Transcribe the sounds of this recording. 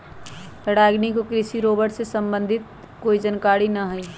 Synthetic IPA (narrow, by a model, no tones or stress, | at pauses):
təɽaːɡnikokɾɪsiɾoːbəʈsesə̃mbə̃nd̪ʱɪt̪̚ | koːid͡ʒənkaːɽinɐɦʊi